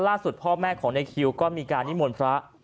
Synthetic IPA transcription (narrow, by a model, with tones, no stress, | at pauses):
laː˥˩su˨˩t̪̚pʰɔː˥˩mɛː˥˩kʰɔː˩˦ŋna˧jkʰi˧wkɔː˥˩miː˧kaː˧nːi˦˥˩mo˧npʰɾa˦˥ʔ